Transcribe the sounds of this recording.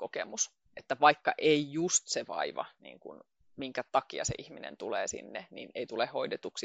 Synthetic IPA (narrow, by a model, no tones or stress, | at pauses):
kokemus | ʔet̪ːæʋɑikːɑʔeijust̪seʋɑ̰iʋɑ̰nḭːŋkun | miŋkæt̪ɑkiɑsḛʔihminḛnt̪ulḛːsḭnːenineit̪ulehhoidet̪uksi